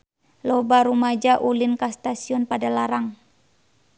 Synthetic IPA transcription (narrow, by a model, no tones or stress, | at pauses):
lɔbaɾumad͡ʒaʔulinkast̪asiɔnpadalaɾaŋ